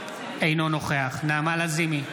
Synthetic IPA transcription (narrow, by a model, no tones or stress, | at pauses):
ejno̞noχeaχnaːmalazimi